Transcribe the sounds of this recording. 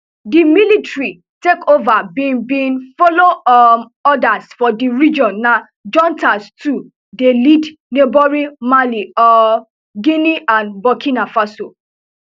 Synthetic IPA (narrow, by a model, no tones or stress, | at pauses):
dimilitɹi | tekovabibĩnfɔlo | ɔdasfɔdiɹid͡ʒɔ̃nːa | d͡ʒɔ̃ntʰastu | delid | nobɔɹimaliɔ | ɡĩniʔãnbɔkʰĩnafaso